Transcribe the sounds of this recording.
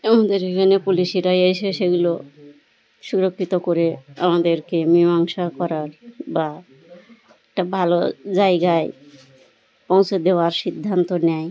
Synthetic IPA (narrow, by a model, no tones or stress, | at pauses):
amad̪eɾekʰanepuliʃiɾajajseʃeɡulo | ʃuɾokʰːit̪okoɾea̰mad̪eɾkemimaŋʃakɔɾaɾba | ɛk̚ʈabʱalo̰d͡ʑajɡae | põw̃t͡ɕʰed̪eoaɾʃid̪ʱːant̪onɛj